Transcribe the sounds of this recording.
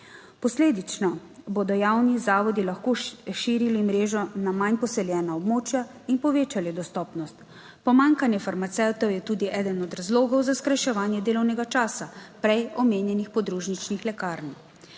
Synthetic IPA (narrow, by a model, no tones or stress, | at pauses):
pɔsleːd̪it͡ʃnɔbod̪ɔjawnizaːʋɔd̪ilaxkoʃiːɾilimɾeːʒɔnamanpɔsɛljɛːnaɔbmoːt͡ʃja | inpɔʋeːt͡ʃalid̪ɔst̪ɔːpnɔst̪ | pɔmaːŋkanjɛfaɾmat̪sɛwt̪ɔwjɛt̪uːd̪iʔɛːd̪ənɔd̪ɾazloːɡɔwzaskɾajʃɛʋaːnjɛd̪eːlɔwnɛɡat͡ʃaːsapɾɛjɔmeːnjɛnixpɔd̪ɾuːʒnit͡ʃnixlɛkaːɾni